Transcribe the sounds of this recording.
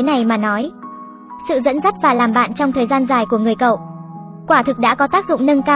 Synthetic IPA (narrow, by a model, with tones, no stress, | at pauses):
e˨˦na˨˩jmaː˨˩nɔ˨˦j | sɨ̰˧˨zə̰˧˥nzə˦˥t̚vaː˨˩laː˨˩mɓa̰ː˧˨nt͡ɕɔ˧wŋ͡mt̪ʰəː˨˩jzaː˧nzaː˨˩jku˧˩əŋɨ˨˩əjkə̰˧˨w | kwaː˧˩t̪ʰɨ˨˩k̚ɗa̰ː˧˥kɔ˨˦t̪aː˦˥k̚zʊ̰˧˨ŋ͡mnə˧nkaː˧